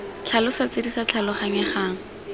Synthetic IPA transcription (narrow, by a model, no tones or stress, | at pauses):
t͡ɬʰalʊsat͡sɪdisat͡ɬʰalɔχaŋɪχaːŋ̩